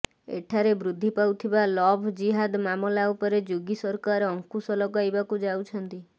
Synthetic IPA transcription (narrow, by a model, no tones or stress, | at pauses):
ḛʈʰaɾebɾud̪ʱːipawt̪ʰibalɔbʱd͡ʒiɦad̪mamɔlaupɔɾed͡ʒuɡisɔɾkaɾɔŋkusɔlɔɡajbakud͡ʒawt͡ʃʰɔnt̪i